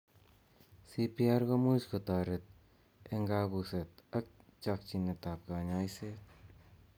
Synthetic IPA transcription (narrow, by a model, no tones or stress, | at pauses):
sipiaɾɡɐmuskət̪aɾet̪̚ | eŋɡaːbuset̪ɐk̚t͡ʃak̚t͡ʃinɐt̪ap̚kaɲajset̪̚